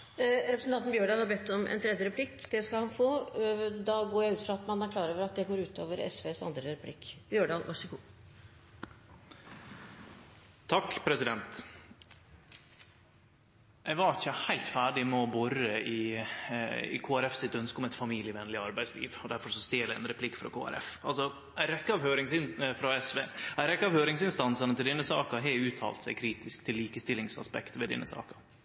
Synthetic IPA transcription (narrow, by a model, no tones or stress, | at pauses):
ɾɛpɾəsn̩ʰɑnt̪nbjøːɖɑːɡhɑɾbɛt̪ːɔmʔɛ̰nt̪ʰɾɛd̪jəɾɛpʰlɪkːd̪ɛskɑlhɑnfoːd̪ɑɡoːɾjæɪʉːt̪fɾɑɑt̪mɑnæɾkʰlɑːɾoːʋəɾɑt̪̚d̪ɛɡoːɾʉːt̪oːʋəɾɛ̰sʋeːsɑ̰nd̪ɾəɾɛpʰlɪ̰kːb̥jøːɖɑːɡʋɑ̰ʂəɡuː | t̪ʰɑkːpʰɾɛsɪd̪ɛnt̪ | ʔɛɡʋɑɾɪçːəhæɪlt̪fæːɖɪmɛɔbɔɾəʔɪ | ɪ̰kʰoːæɾɛfsɪt̪ːœnskəɔmɛt̪fɑmiːlɪəʋɛnːlɪɑɾbæɪd̪slḭːʋɔd̪æɾfɔɾʂɔst̪eːlæɪɛ̰nɾɛpʰlɪkːfɾɑ̰kʰo̰ːæ̰ɾʔɛ̰fɑlsɔ | æɪɾɛkːəɑʋɦøːɾɪŋsɪnfɾɑɛsʋeːæɪɾɛkːəɑʋhøːɾɪŋsɪnst̪ɑnsənət̪ʰɪld̪ɛnːəsɑːkəɦɛɪʉːt̪ʰɑ̰ːlt̪sæɪkʰɾiːt̪ɪskt̪ʰɪlːiːkəst̪ɪlːɪŋsɑ̰spɛ̰kt̪ʋɛd̪ɛ̰nːə̰sɑ̰ːkə